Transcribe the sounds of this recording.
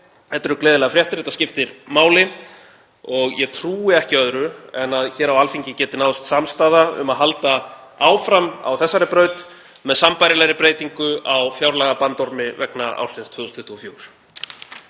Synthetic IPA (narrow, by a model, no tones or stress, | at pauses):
hɛt̪ːʏɾʏklɛːðɪlɛɣafɾjɛht̪ɾɛt̪ascɪft̪ɪɾmaːwlɪ | ɔɣjɛt̪ʰɾuːɪɛhcɪœðɾʏɛnaðçɛːɾawalfiɲcɪcɛːt̪ɪnawst̪samst̪aːðaʏ̰maðɦalt̪aaːwfɾama̰wθɛsːaɾɪpɾœːɥt̪ | mɛðsampajɾɪlɛɣɾɪpɾeːjt̪iŋkʏawfjawɾlaːɣapant̪ɔɾmɪvɛknaa̰wrsɪnst̪ʰvʏðʏst̪ʰʏht̪ʰːuɔfjoːwɾ̥